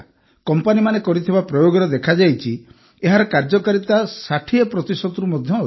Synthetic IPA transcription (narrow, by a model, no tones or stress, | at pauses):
kɔmpanimanekɔɾit̪ʰibapɾɔjoɡɔɾɔd̪ekʰad͡ʒajt͡ʃʰi | eɦaɾɔkaɾd͡ʒɔkaɾit̪asaʈʰiepɾɔt̪isɔd̪ɔɾumɔd̪ʱjɔ